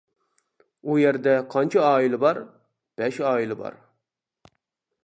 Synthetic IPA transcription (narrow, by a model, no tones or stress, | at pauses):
ujeɾd̪ɛqʰɑnt͡ʃʰɑɑːilɪbɑɾ | b̥ɛʃɑːilɪbɑ̰ɾ